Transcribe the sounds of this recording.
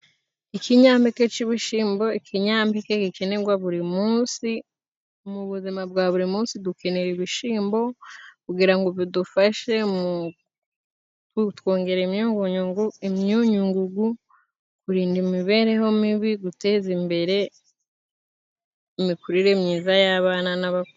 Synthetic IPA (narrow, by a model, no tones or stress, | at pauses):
ikiɲaːmbeke̞t͡ʃiβiʃiːmbo̞ikʰiɲaːmbekekike̞ne̞ɡwaβuɾimuːnsi | muβuzimabɡaːβuɾimuːnsiduke̞ne̞ɾiβiʃiːmbo̞kuɡiɾaŋɡoβidufaʃe̞mu | utwo̞ːŋɡe̞ɾimɲuːŋɡuɲuŋɡuimɲuɲuŋɡuɡu | kuɾiːndimiβe̞ːɾe̞ɦo̞miβiɡute̞ːzimbe̞ɾe̞ | imikuɾiɾe̞mɲiːzajaβaːnanaβaku